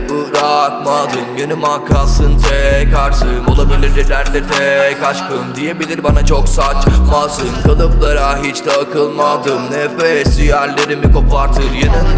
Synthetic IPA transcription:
ɯɾakmad̪ɯmjenɯmakʰansɯnt̪ʰɛkʰaɾsɯmo̞lˠabilʲiɾd̪ɛd̪æɾd̪ɛt̪ʰɛkʰat͡ʃkɯmd̪ije̞bilʲiɾbanat͡ʃʰo̞ksat͡ʃmasɯmkalˠɯplˠaɾaɦit͡ʃd̪ʰɛːkʰɯlˠmad̪ɯmnɛfɛsyjæɾlʲe̞ɾimiko̞paɾt̪ʰɯɾjenɯn

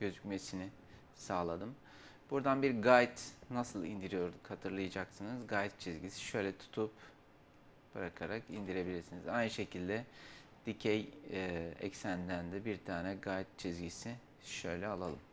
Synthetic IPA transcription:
ɟ̥øzycme̞sinɪ | saːlˠad̪ɯm | b̥uɾd̪anbiɾɡajt̪nasɯlˠind̪iɾijo̞ɾd̪ukhat̪ʰɯɾlˠɯjad͡ʒaksɯnɯzɡajt̪̚t͡ʃʰizɟisi̥ʃø̞jlʲɛt̪ʰu̥t̪ʰup | b̥ɯɾakʰaɾakind̪iɾe̞bilʲiɾsinizajnɯʃe̞cʰilʲd̪ɛd̪̥icʰej | ɛ̰csænd̪ænd̪ɛbiɾt̪ʰaːnɛɡajt̪̚t͡ʃʰizɟisi | ʃø̞jlʲɛalˠalˠɯm

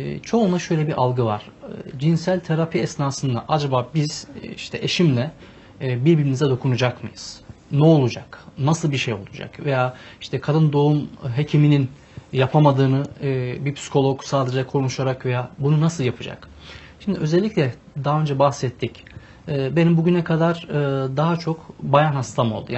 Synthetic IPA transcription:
t͡ʃʰo̞unlˠaʃø̞jlʲɛbiʔalˠɡɯvaɾ̥d͡ʒinsælʲt̪ʰeɾapʰiɛsnaːsɯnd̪a̰ʔad͡ʒabaːbiz̥iʃt̪ʰɛʔeʃimlʲɛ | biɾbiɾimizɛd̪o̞kʰunud͡ʒakmɯjɯ̰z̥nɛolˠud͡ʒaknasɯlˠbiʃejo̞lˠud͡ʒa̰kve̞jaːi̥ʃt̪ʰɛkʰad̪ɯnd̪o̞umɦe̞cʰiminin | japʰamad̪ɯːnɯbiɾpʰsi̥kʰo̞lˠoksaːd̪ed͡ʒɛkʰoɾumuʃaɾakve̞jaːbununasɯlˠjapʰɯd͡ʒa̰k | ʃimd̪iʔøzɛlʲːiclʲɛ | d̪aɦaø̞nd͡ʒɛbaxsɛt̪ʰːic | ɛːbe̞nimbuɟynɛkʰad̪aɾɯːd̪aɦat͡ʃʰo̞kbajanhast̪ʰamolˠd̪ṵja

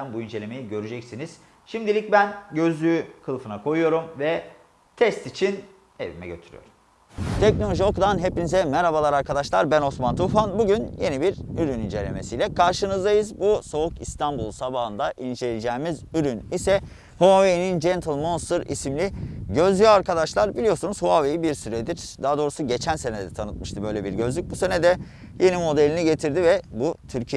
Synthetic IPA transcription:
nbuind͡ʒe̞lʲe̞me̞jiɟø̞ɾyd͡ʒɛcsiniz̥ | ʃimd̪ilʲic̚bænɟø̞zlʲyykʰɯlˠfɯnakʰo̞jujo̞ɾumvɛ | t̪ʰɛst̪it͡ʃʰin | ḛvimɛ̰ɟøt̪ʰyɾy̰jo̰ɾum | t̪ʰɛcno̞lʲo̞ʒio̞kud̪anɦe̞pinizɛmɛɾabalˠaɾaɾkʰad̪aʃlˠaɾbæno̞smant̪ʰufanbuɟynje̞nibiɾyɾynind͡ʒe̞lʲe̞̰me̞̰sijlʲɛkʰaɾʃɯnɯzd̪ajɯzbuso̞ukist̪ʰanbulˠsabaɦɯnd̪aʔind͡ʒelid͡ʒɛːmizyɾynisɛ | hoavenind͡ʒɛnt̪ʰɯlˠmonst̪ɯɾḭsimlʲiɟø̞zlʲyjoaɾkʰad̪aʃlˠaɾbilʲijo̞sunuzhuavejibiɾsyɾɛd̪iɾd̪aad̪o̞ɾusuɟe̞t͡ʃʰænse̞nɛd̪ɛt̪ʰanɯt̪̚mɯʃt̪ʰɯbø̞jlʲebiɾɟøzlʲyc̚buse̞nɛd̪ɛ | je̞nimo̞d̪elʲiniɟe̞t̪ʰiɾd̪ivɛbut̪ʰyɾcʰi

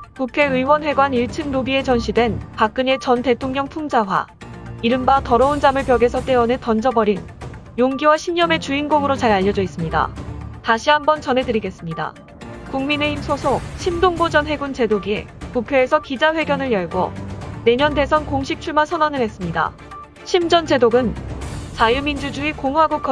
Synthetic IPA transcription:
kukʰe̞ɯiwʌnɸwe̞ɡwaniɭt͡ɕʰɯnnobie̞t͡ɕʌnɕʰidwe̞npak̚k͈ɯɲe̞t͡ɕʌnte̞tʰoŋɲʌŋpʰuŋd͡ʑaɦwa̰iɾɯmbatʌɾʌund͡ʑamɯɭpjʌɡesʰʌt͈e̞ʌnɯtʌnd͡ʑʌbʌɾin | joŋɡiwaɕʰiɲʌme̞t͡ɕuinɡoŋɯɾot͡ɕaɾaʎːʌd͡ʑʌis͈ɯmɲida̰taɕʰiɦambʌnt͡ɕʌnɦe̞dɯɾiɡe̞s͈ɯmɲida̰ | kuŋmine̞himsʰosʰok̚ɕʰimdoŋbod͡ʑʌnɦe̞ɡunt͡ɕe̞doɡiḛ | pukʰeːsʰʌkid͡ʑaɸwe̞ɡjʌnɯɭjʌɭɡo̰ne̞ɲʌnde̞sʰʌnkoŋɕʰik̚t͡ɕʰuɭmasʰʌnwʌnɯɭɦe̞s͈ɯmɲida̰ | ɕʰimd͡ʑʌnd͡ʑe̞doɡɯnt͡ɕajumind͡ʑud͡ʑuikoŋuɦaɡok͈ʌ

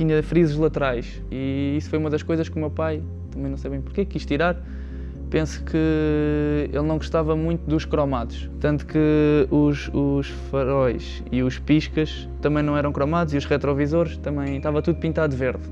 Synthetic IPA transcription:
t̪iɲɐfɾizʒlˠɐt̪ɨɾajʃ | iisfojumɐðɐʃkojzɐʃkumewpaj | t̪ɐmɐ̃j̃nɐ̃w̃sejβɐ̃j̃puɾkekːiʃt̪iɾaɾ | pẽsu̥kʰɨ | elˠnɐ̃w̃ɡuʃt̪avɐmũj̃t̪ud̪uʃkɾɔmaðuʃt̪ɐ̃nt̪u̥kɨuʃuʃ | fɐɾɔjʃ | iuʃpiʃkɐʃ | t̪ɐmɐ̃j̃nɐ̃w̃ɛɾɐ̃w̃kɾɔmaðuziuʃʁɛt̪ɾɔvizoɾʃt̪ɐmɐ̃j̃t̪avɐt̪uðupĩnt̪aðveɾð

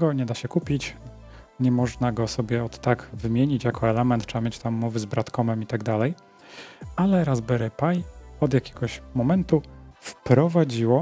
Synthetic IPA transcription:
ɡɔɲɛd̪aɕɛkupʲit͡ɕ | ɲɛmɔʐnaɡɔsɔbʲjɛɔt̪ːaɡvɘmʲjeɲit͡ɕjakʰɔɛlɛmɛnt̪tʂɛamʲjet͡ɕt̪amːɔvɘzbɾat̪kɔmɛmit̪aɡd̪alɛj | alɛɾazbɛɾɛpajɔd̪jakʲɛ̥ɡɔɕmɔmɛnt̪ufpɾɔvad͡ʑiwɔ

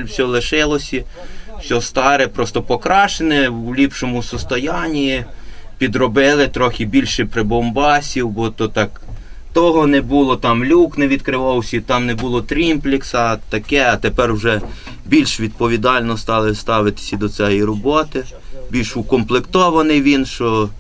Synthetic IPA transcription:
sʲɔlˠɪʃɪlˠɔsʲi̥sʲɔst̪ɑɾɛpɾɔst̪ɔpɔkɾɑʃenɛlʲipʃɔmʊsɔst̪ɔjɑnʲiipʲid̪ɾɔbɪlˠɪt̪ɾɔxʲɪbʲilʲʃɪpɾɪbɔmbɑsʲiwbɔt̪ɔt̪ɑk | t̪ɔɦɔnɛbulˠɔt̪ɑmlʲuknɛʋʲid̪kɾɪʋɑwsʲit̪ɑmnɛbulˠɔt̪ɾʲimplʲɪksɐt̪ɐkɛɐt̪epɛrwʒɛ | bʲilʲʃʋʲid̪̚pɔʋʲid̪ɑlʲnɔst̪ɑlˠɪst̪ɑʋɪt̪ɪ̥sʲɐd̪ɔt̪sɛjiɾɔbɔt̪ɪ | bʲilʲʃʊkɔmplˠɪkt̪ɔʋɐnɪjʋʲinʃt͡ʃɔ

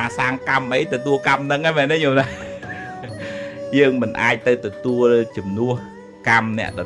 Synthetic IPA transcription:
aːsaːŋkamʔəjt̪ɔt̪uəlkamnɨŋaːjmɛːnɛɲoːla | jəːŋmɨnʔaːc̚t̪ɨwt̪ɔt̪uəlt͡ɕumnŭəh | kamnɛ̆əʔɗɑ

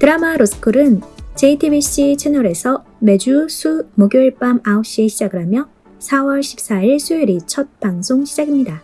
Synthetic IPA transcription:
tɯɾamaɾosɯ̥kʰɯɾɯnt͡ɕe̞itʰibiɕ͈it͡ɕʰenʌɾe̞sʰʌ | me̞d͡ʑusʰumoɡjoɭp͈amaoɕ͈ieɕʰid͡ʑaɡɯɾɦamjʌ | sʰawʌɭɕʰi̥p̚s͈aiɭsʰuiɾit͡ɕʰʌt̚paŋsʰoŋɕʰid͡ʑaɡimɲida

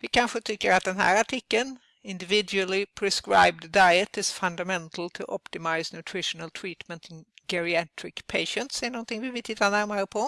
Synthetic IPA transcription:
ʋɪkʰanɧət̪ʰʏkːəɾat̪̚d̪ɛnɦæ̰ːɾaʈʰɪkːən | ɪnd̪ɪvɪd̪jʉəlɪpʰɾɛskɾa̰ɪb̚d̪ːaɪət̪ɪsfɵnd̪amɛnt̪ʰl̩t̪ʰʊ̰ʔɔpt̪ɪmaɪsnʉt̪ʰɾɪʂənəlt̪ʰɾiːt̪mənt̪ɪnɡɛɾɪɛt̪ʰɾɪkpʰeɪʃənt̪sɛənɔnt̪ɪŋʋɪʋɪt̪ʰɪt̪ːanæɾmaɾəpʰɔ

